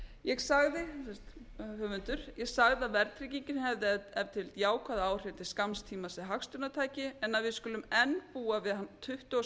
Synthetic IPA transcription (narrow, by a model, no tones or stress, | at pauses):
jɛɣsaɣðɪsɛst̪hœːvʏnt̪ʏɾ̥jɛɣsaɣðavɛɾt̪ʰɾiciɲcɪnhɛvðɪɛɛvt̪ʰɪlt̪jaːwkʰvaːðaaːwr̥ɪnt̪ʰɪ̥skamst̪ʰiːmasɪɦakst̪ʏnat̪ʰaːjcɪɛnːaðvɪðskʏːlʏmɛnpuːavɪðhant̪ʰʏht̪ʏɔ